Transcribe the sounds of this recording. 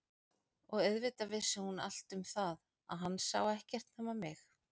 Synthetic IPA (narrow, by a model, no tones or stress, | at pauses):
ɔɣœðvɪt̪avɪsːʏhuna̰l̥t̪ʏmθað | aðɦanːsa̰ːwɛhcɛr̥t̪nhaːmamɪx